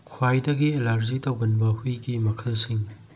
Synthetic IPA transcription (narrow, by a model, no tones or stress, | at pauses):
kʰwajdɐɡielaɾzitɐwɡɐnbɐhujɡimɐkʰɐlsiŋ